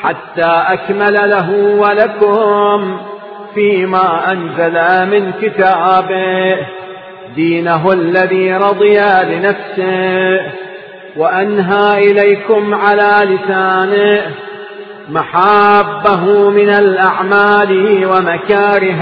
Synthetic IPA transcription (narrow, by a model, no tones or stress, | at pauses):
ħat̪ːaːʔakmalalaɦʊwalakʊm | fiːmaːʔanzalamɪnkɪt̪aːbɪ | d̪iːnaɦlːaðiːɾˤɑd̪ˤɨjalɪnafsɪ | waʔanɦaːʔɪlajkʊmʕalaːlɪsaːnɪ | maħaːbːaɦʊmɪnalʔaʕmaːlwamakaːɾɪh